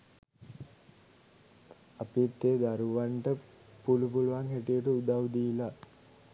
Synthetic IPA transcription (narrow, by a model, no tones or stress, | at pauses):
ɐpit̪ːeːd̪aɾuʋaɳʈə | pulupuluʋaŋɦeʈijəʈəud̪awd̪ila